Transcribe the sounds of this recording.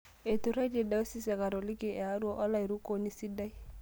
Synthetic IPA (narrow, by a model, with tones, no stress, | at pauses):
e˨tu˨ɾa˦d͡ʒe˨da˨o˦si˦sɛ˨ka˨ɾo˨lɪ˦kɪ˦˨ɛ˨a˦ɾwɔ˦ʔɔ˦la˦i˨ɾu˦ko˦ni˦si˦da˦i˦